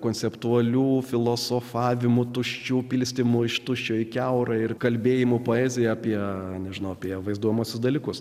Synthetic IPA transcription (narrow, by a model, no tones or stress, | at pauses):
koːnʲt͡ssʲɛpt̪uɐlʲuːfʲɪlˠoːsoːfɑːʋʲɪmʊt̪ʊʃʲt͡ʃʲuːpʲiːlʲsʲt̪ʲɪmʊɪʃt̪ʊʃʲt͡ʃʲoːɪkʲɛʊɾɐɪrkɐlʲbʲeːjɪmʊpoːɛːzʲɪjɛɐpʲiɛnʲɛʒʲɪnɐʊɐpʲiɛʋɐɪzd̪uɔjɛmuɔsʲʊsd̪ɐlʲiːkʊs